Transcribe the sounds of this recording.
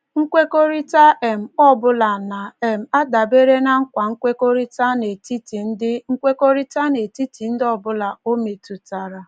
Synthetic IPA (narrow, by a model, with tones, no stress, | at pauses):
ŋ̩˦kʷe˦ko˦ɾi˦ta˦ʔe˨m̩˨ɔ˦bʊ˦la˨na˨e˨m̩˨a˦da˨be˦ɾe˦na˨ŋ̩˦kʷa˨ŋ̩˦kʷe˦ko˦ɾi˦ta˦ne˨ti˦ti˨n̩˦dɪ˦ŋ̩˦kʷe˦ko˦ɾi˦ta˦ne˨ti˦ti˨n̩˦dɔ˦bʊ˦la˨o˦me˨tu˨ta˨ɾa˨